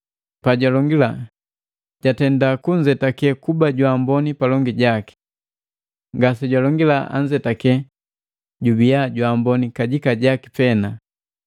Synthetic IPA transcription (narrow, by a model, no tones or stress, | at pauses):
paɟwalɔŋɡila | ɟ̥atɛndakuɲd͡ʒɛtakɛkubaɟwambɔnipalɔŋɡiɟaki̥ | ŋɡas̬ɛɟwalɔŋɡilaa̰ɲd͡ʒɛtakɛ | ɟubijaɟwambɔnikaɟikaɟaki̥pɛna